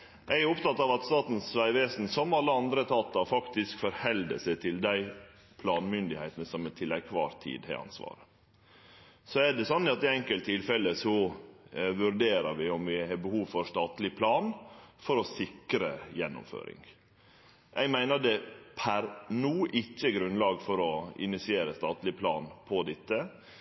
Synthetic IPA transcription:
ʔɛɪæɾʊpt̪ɑt̪ːɑʋɑt̪st̪ɑːt̪nsʋæɪʋeːsnsɔmɑlːəɑnd̪ɾət̪ʰɑːt̪ːɑfɑkt̪ɪskfɔɾhɛld̪ə̰sɛt̪ʰɪld̪æɪ | pʰlɑːnmʏnd̪ɪhæɪt̪ənəsɔmɛt̪ʰɪlæɪkʰʋɑ̰ːɾt̪ʰḭːd̪hæ̰ɪɑ̰nsʋɑ̰ːɾə | sɔæɖɛsɔnːɪɑt̪ɪɛŋkəlt̪ʰːɪlfɛləsɔ | ʋʉɾɖ̪eːɾəɾʋɪʊmʋɪhɑːbəhuːʋfɔɾst̪ɑːt̪lɪpʰlɑːnfɔɾɔsɪkɾəjɛnːʊ̰mfø̰ːɾɪ̰ŋ | ʔɛɪɡmæɪnəɖ̪ɛpʰæɾnuːʔɪçːəɡɾʉnlɑːɡfɔɾɔɪ̰nɪsɪeːɾəst̪ɑːt̪lɪpʰlɑ̰ːnpʰɔd̪ɪt̪ːə

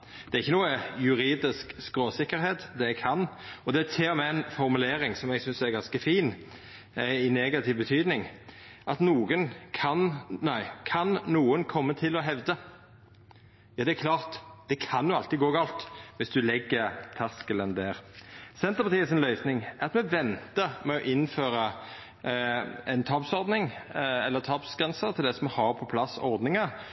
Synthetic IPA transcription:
d̪̥ɛɾɪçːənuːəjʉɾiːd̪ɪskskɾoːsɪkːəɾheːt̪d̪ɛɛɡkʰɑnɔd̪ɛæt̪ʰeːɔmɛnfɔʁmʉleːɾɪŋsɔmɛɡsʏnsæɾɡɑnskəfiːn | ɪneːɡɑt̪ʰɪʋbət̪ʰyːd̪nɪŋ | ʔɑt̪nuːɡənkʰɑnnæɪkʰɑnnuːənkʰɔmːət̪ʰɪlɔɦɛʋd̪ə | jɑːd̪ɛækʰlɑːʁt̪d̪̥ɛkʰɑnjʊɑlt̪ɪɡoːɡɑːlt̪ʋɪsd̪ʉlɛɡːəɾt̪ʰɑskələnd̪æːʁsɛnt̪əpɑt̪iːəsɪnlœʏsnɪŋæʁɑt̪mɛʋɛnt̪əmɛɔʔɪnføːɾə | ɛnt̪ʰɑːpsɔɾd̪nɪŋɛlːəɾt̪ʰɑːpsɡʁɛnsət̪ʰɪld̪ɛsɔmhɑɾpʰɔpʰlɑsɔɾd̪nɪŋɑ

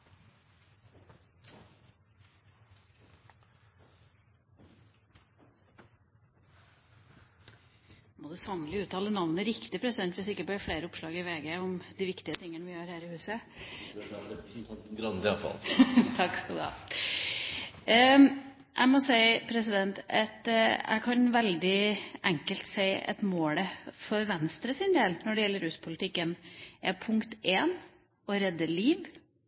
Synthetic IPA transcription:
mɔd̪ʉsɑŋlɪʉːt̪ʰɑːlənɑʋnəɾɪkt̪ɪpʰɾɛsɪd̪ɛnt̪ʋɪsɪkːəpɔjæfleɪɾəʊpʂlɑːɡɪʋeːɡəʊmd̪ɪʋɪkt̪ɪət̪ʰɪŋːənʋɪjøːɾhæːɾɪhʉːsə | ɑ̰lt̪ʰɑksɡɔd̪ɑ̰ː | ʔæ̰ɪmɔsæɪpʰɾɛsɪd̪ɛnt̪ɛt̪æ̰ɪkʰɑnʋɛld̪ɪʔɛŋkəlt̪sæɪɛ̰t̪moːləfɔɾʋɛnst̪ɾəsɪnd̪eːlnɔɖɛjɛlːəɾʉːspʰʊlɪt̪ɪkːənʔɛpʰʊŋkt̪eːn | ɔɾɛd̪ːəɭiːʋ

